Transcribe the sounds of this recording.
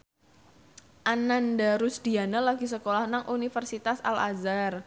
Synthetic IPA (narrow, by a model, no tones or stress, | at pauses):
ʔanandaɾusd̥ianalaɡisəkolahnaŋʔunifərsit̪asa̰lʔa̰zar